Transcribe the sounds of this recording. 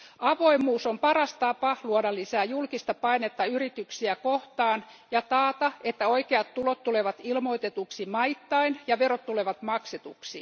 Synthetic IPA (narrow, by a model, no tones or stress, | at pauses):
ɑʋo̞imuːsompɑrɑst̪ɑpɑluonɑlːisæːjulkist̪ɑpɑinet̪ːɑyrit̪yksiækoht̪ɑːn | jɑt̪ɑːt̪ɑet̪ːæoikeɑt̪t̪ulot̪t̪ːuleʋɑt̪ilmo̞it̪et̪uksimɑit̪ːɑinjɑʋerot̪ːuleʋɑt̪mɑkset̪uksi